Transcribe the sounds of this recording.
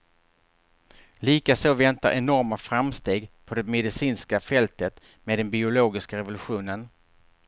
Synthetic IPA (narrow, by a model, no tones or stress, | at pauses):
liːkasoːvɛnt̪a̰ɾʔɛnɔɾmafɾamst̪eːɡpʰɔd̪ɛmɛd̪ɪsiːnskafɛlt̪ət̪ | meːd̪ɛnbɪʊloːɡɪskaɾɛvʊlɵɧuːnən